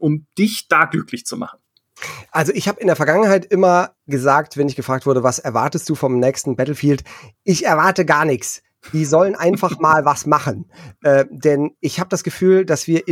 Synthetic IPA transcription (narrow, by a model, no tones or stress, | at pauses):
ʔʊmd̥ɪçd̥aːɡlʏklɪçt͡suma̰χn̩ | ʔalzoʔɪçhaːbəɪndeːɐfɛɐɡaŋənɦaɪtʔɪmɐ | ɡəzaːktv̥ɛnɪçɡ̥əfʁ̥aːk̚tv̥ʊɐɾəvasɛɐvaɐtəst̚d̥uːfɔmnɛːçstn̩bɛtl̩fiːltʔɪçɛɐvaɐtəɡaːɐnɪçt͡s | d̥iːzɔlənʔaɪnfaχmaːlvasmaχən̩ʔɛːd̥ɛnʔɪçhaːbədasɡ̥əfyːldasv̥iːɐ